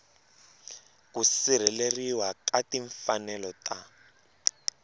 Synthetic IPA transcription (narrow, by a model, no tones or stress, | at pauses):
kusiɾ̤ɛleriwakatiɱfanɛlɔta